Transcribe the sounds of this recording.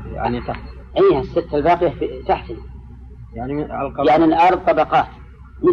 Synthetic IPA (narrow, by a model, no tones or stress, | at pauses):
ja̰ʕnit̪a | ʔiːhasːɪt̪ːalbɑːqɪjafit̪aħt̪n | jaʕniljaʕnilʔɑɾˤðˤt̪ˤɑbɑqɑːt̪ | mɪ